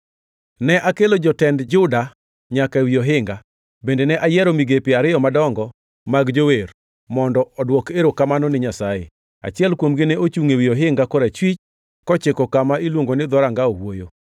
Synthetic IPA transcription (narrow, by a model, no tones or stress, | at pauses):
nɛʔakelod͡ʒɔtɛndd͡ʒʊda | ɲakaewioɦɪŋɡa | bendenɛʔajɛɾomiɡepɪaɾɪjɔmadɔŋɡɔ | maɡd͡ʒower | mɔndɔɔdwɔkeɾokamanɔnɪɲasajḛ | a̰t͡ʃɪɛlkwomɡɪneot͡ʃuŋewioɦɪŋɡakɔɾet͡ʃwit͡ʃ | kɔt͡ʃɪkɔkamailwoŋɡonɪd̪ɔɾaŋɡaowojo